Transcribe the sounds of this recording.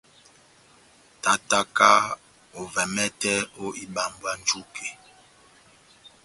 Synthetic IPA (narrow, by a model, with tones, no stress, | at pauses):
ta˨ta˦ka˦ | o˨vɛ˨mɛ˦tɛ˦o˦ʔi˦ɓa˨mbwa˦n˦d͡ʒu˦kʰe˨